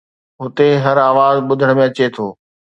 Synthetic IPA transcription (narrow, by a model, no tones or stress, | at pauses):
ɦʊt̪eɦɐɾaːʋaːzɓʊd̪ʱəɽ̃mẽɐt͡ɕet̪ʰoː